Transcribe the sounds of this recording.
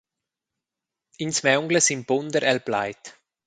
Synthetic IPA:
insmɛʊŋɡləsɪmbʊnd̪əɾʔɛlbla̰ɪt̪

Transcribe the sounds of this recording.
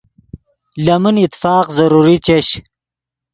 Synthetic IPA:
lɐmənit̪faːqzɐɾuɾit͡ɕeɕ

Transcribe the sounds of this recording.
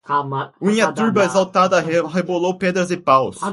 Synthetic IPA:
ũĩɲɐt̪uɾbɐezawt̪ad̪ɐɦebolowped̪ɾɐzɪpaws

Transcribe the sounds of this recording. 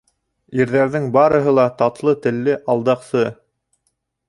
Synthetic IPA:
iɾðæɾðɘŋbɑɾɤ̆ɦɤlˠɑt̪ɑt̪lˠɤt̪ɘ̆lːɘʔɑlˠd̪ɑqsɤ

